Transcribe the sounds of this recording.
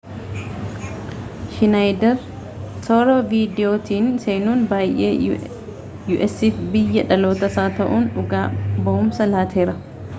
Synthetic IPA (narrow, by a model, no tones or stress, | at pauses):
ʃɪnɐjd̪ɐɾ | sɔːɾoːviːd̪ɪjoːt̪iːnseːnuːnbaːjʔḛː | juːʔɛsifbɪjːɐᶑɐlo̞ːt̪ɐsaːt̪ɐʔuːnʊɡaːbɐʔʊmsɐlaːt̪ʰe̞ːɾɐ